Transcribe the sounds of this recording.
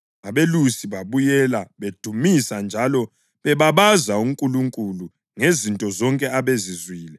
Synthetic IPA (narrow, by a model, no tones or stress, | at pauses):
aβelusiβaβujɛlaβed̥ʱumisand͡ʒʱalɔ | βɛβaβazauŋkʼuluŋkʼulu | ŋezintʼɔzɔŋkʼɛaβezizwiːlɛ